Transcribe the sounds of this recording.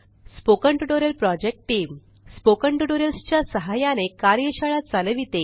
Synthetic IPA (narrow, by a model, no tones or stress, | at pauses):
spokəɳʈuʈoɾjəlpɾɔd͡ʑek̚ʈʈːiːm | spokəɳʈuʈoɾjəlst͡ɕjasəɦajanekaɾjəɕaɭat͡saləʋit̪e